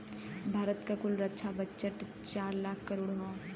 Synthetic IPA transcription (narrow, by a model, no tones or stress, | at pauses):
bʱaːɾət̪kakʊlɾɐtːʃʰabətːʃəʈ | t͡ʃaːɾlaːkʰkɐɾoːɽɦo